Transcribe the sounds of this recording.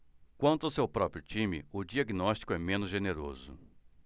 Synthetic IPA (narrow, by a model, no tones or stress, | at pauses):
kwɐ̃nt̪ʊawsewpɾɔpɾjʊt͡ʃĩmɪ̰ʊd͡ʒiaɡinɔst͡ʃi̥kʊɛmẽnʊzʒeneɾo̰zʊ̰